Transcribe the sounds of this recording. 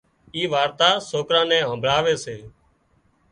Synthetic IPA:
iːʋaːɾt̪aːsoːkɾãːnɛ̃ːɦə̃ːmbʱɭaːʋeːseː

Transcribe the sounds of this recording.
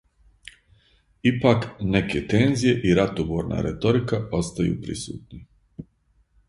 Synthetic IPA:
ipakne̞ket̪enzije̞ʔiɾat̪oboːɾna̰ːɾḛt̪o̞ɾikao̞st̪ajṵːpɾḭsṵːt̪ni

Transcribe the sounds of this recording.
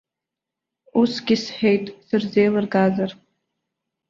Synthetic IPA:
usɡʲɪsħᶣejtʼsɨrzejlɨrɡazar

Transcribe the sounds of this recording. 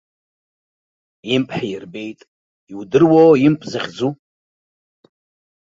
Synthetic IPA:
impʰʼħajɪrbe̞jtʼ | iwdɨrwoːjimpʼzaχʲd͡zu

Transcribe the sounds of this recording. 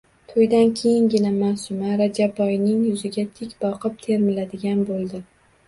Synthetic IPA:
t̪ʰojd̪ankʲʰejɪŋɡʲɪnamasʊmaɾad͡ʒabːɒjnɪŋjʊzɪɡʲat̪ʰɪkʲbɒqʰɨp̚t̪ʰe̞ɾmɪlad̪ɪɡʲanbolˠd̪ɪ

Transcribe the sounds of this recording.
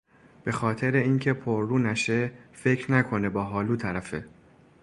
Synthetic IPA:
b̥e̞xɒːt̪ʰe̞ɾeiːncʰe̞pʰoɾːuːnæʃefe̞cʰɾnækʰo̞ne̞bɒːɦɒːluːt̪ʰæɾæfe

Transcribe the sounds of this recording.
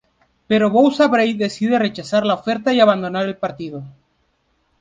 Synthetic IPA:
pe̞ɾo̞βowsaβɾejðe̞siðe̞re̞t͡ʃasaɾlaofe̞ɾt̪aiaβand̪o̞naɾe̞lpaɾt̪iðo

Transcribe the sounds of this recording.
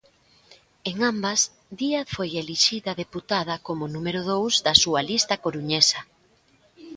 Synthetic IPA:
eŋambɐs | d̪iaðfojeliʃiðɐðeput̪að̞ɐkomʊnumeɾʊðowzðɐsuɐlist̪ɐkoɾuɲesɐ

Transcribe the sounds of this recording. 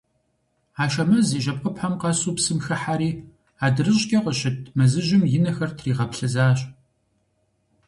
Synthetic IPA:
aːʃɐmɐziːʒɐp̚ʼqʼəpħamqɑsuːpsɨmxɐħaɾiː | aːdɨrɨɕʼɡʲʼɐqəɕɪt̚ʰmɐzɨʑɪmjɪnɐxɐrtʰriːʁɐpɬɨzaːɕʼ

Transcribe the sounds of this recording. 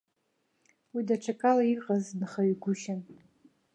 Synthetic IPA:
widaʈ͡ʂʰakʼalaiqʼaznχaɥɡʷʊʃan

